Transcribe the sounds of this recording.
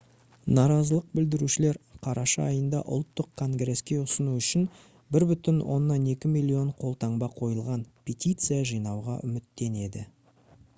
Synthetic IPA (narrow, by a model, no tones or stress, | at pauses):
nɑɾɑzəlˠəq̚bɪld̪ɪɾuʃɪle̞ɾqʰɑɾʔɑʃɑːjənd̪ɑ̰ʔʊ̰lˠt̪ːəqkʰo̞ŋɡɾe̞skʲe̞ʊsənuʏʃɪn | bɪɾbʏt̪ɪnwo̞̰nːɑne̞kʲɪmilʲːio̞ɴqʰo̞lˠt̪ɑɴbɑqʰo̞jəlˠʁɑnpʲʰet̪ʲijt̪sɨjaʒijnɑwʁɑ̰ʔʏmɪt̪ːe̞ne̞d̪ɪ